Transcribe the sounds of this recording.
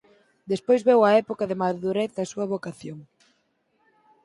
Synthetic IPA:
d̪espojzβɛwɐɛpokɐðemaðuɾɛθɐsuɐβokaθjoŋ

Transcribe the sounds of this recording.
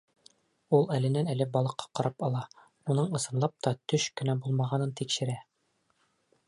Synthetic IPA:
ulˠælɘ̆nænælɘbɒlˠɤ̆qːɑ̥qɒɾɑpɒlˠɑ | unɤɴɤ̆sɤ̆nlˠɑp̚t̪ɒt̪ɵɕkɘ̆næbulˠmɑʁɑnɤnt̪ikʃɘ̆ɾæ

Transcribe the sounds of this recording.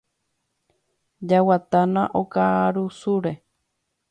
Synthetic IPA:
d͡ʒawat̪anãʔokaɾusuɾe

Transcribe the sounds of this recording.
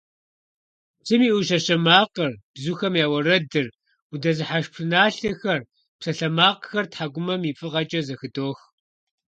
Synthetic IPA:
t͡sʰʼɨmiːʔʊʃɐɕɐmaːqərb̥zuxɐmjaːwɐrɐdɨr | udɐzɨħaʃpʰɨnaːɬɐxɐr | psɐɬɐmaːqxɐrtħaɡʷʊmɐmiːfʼɨʁɐt͡ʃʼɐzɐxɨdoːx

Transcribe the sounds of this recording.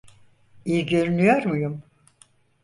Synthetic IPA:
ijiɟøɾynyjoɾmujum

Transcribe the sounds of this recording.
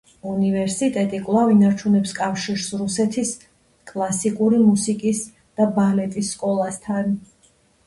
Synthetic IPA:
univɛɾsit̪ʼɛt̪ʼikʼlˠavinaɾt͡ʃʰunɛpskʼafʃiɾsɾusɛt̪ʰis | kʼlˠasikʼuɾimusikʼis | d̪̥abalɛt̪ʼisːkʼɔlˠast̪ʰan

